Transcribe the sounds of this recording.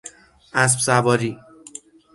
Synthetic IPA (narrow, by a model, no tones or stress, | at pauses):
ʔæs̬bsæbɒːɾiː